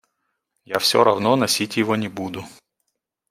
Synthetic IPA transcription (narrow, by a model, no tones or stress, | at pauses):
jafsʲo̰ɾɐvnonɐsʲitʲjɪvonʲɪbud̪ʊ